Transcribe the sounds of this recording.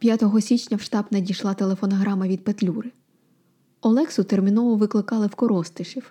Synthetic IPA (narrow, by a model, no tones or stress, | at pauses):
pʲjat̪ɔɦɔsʲit͡ʃnʲɐwʃt̪ɑbnɐdʲijʃlˠɑt̪e̞lˠefɔnɔɦɾɑmɐʋʲid̪̚pet̪lʲuɾɪ | ɔlˠɛksʊt̪ermʲinɔʋʊʋɪklˠɪkɑlˠɪwkɔɾɔst̪ɪʃiw